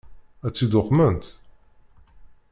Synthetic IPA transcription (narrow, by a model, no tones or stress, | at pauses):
æt͡sːid̪ʊqːmənt̪